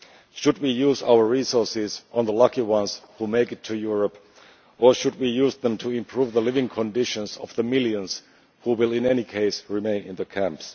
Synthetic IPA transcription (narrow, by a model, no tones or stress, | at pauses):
ʃɨd̚wijuza̰ʊə˞ɹisɔɹsɪzʔə̃n̩ðəlʌkiwʌ̃nz̥humeɪkɨtʰɨjʊɹəp | ʔə˞ʃɨd̚wijuzðə̃mtʰɨɪ̃mpʰɹ̥uvðəlɪvɪ̃ŋkʰə̃ndɪʃɨ̃nzʌ̰vðəmɪlˠjɨ̃nz̥ | huwɪlˠɪ̃nɛnikʰeɪsɹɪmẽɪ̃nɪ̃nðɨkʰæ̃mps